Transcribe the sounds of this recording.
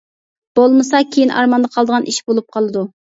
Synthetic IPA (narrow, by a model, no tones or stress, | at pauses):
b̥olˠmɨsɑkʲʰejinʔɑ̰ɾmɑnd̪ɑqʰɑlˠd̪əʁɑnʔiʃbolˠup̚qʰɑlˠɨd̪u